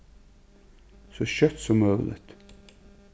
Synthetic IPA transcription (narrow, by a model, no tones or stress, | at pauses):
sɔɕœt̪sɔmœːlʔɪ̰t̪